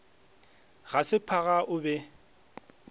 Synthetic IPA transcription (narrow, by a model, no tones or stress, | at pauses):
ɣasɪpʰaɣaʔʊbɛ